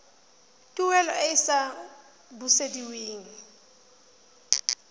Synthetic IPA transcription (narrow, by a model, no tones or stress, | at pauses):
tʼuwɛlɔ̰ʔeisa | busediweːŋ̩